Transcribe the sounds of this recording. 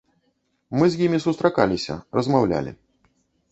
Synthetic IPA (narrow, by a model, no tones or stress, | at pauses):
mɨzʲjimʲisust̪ɾakalʲisʲɐ̰rɐzmawlʲa̰lʲḭ